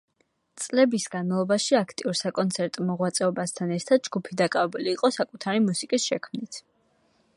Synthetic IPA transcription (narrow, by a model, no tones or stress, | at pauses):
t̪sʼlɛbisɡanmalˠɔbaʃiakʰt̪ʼiuɾsakʼɔnt̪sʰɛɾt̪ʼmɔʁwat̪sʼɛɔbast̪ʰanɛɾt̪ʰad̪̥̚d͡ʒɡupʰid̪akʼavɛbuliːqʼɔsakʼut̪ʰaɾimusikʼisʃɛkʰmnit̪ʰ